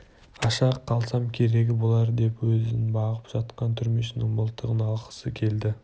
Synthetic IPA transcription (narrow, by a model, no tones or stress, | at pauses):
ɑʃɑqʰːɑlˠsɑmkʲʰe̞ɾe̞ɡʲɪbo̞lˠɑɾd̪e̞pwɵzɪnbɑʁəpʒ̥ɑt̪qɑnt̪ʰʏɾme̞ʃɪnɪŋbəlˠt̪ːəʁənɑlˠqə̥səkʲʰe̞ld̪ɪ